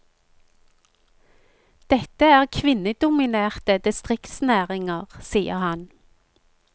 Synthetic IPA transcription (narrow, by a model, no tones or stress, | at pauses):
d̪̥ɛt̪əæːʁkʰʋɪnəd̪ʊmɪneːʁt̪əd̪ɪst̪ʁɪkt̪snæːʁɪŋəʁsiːəʁhɑn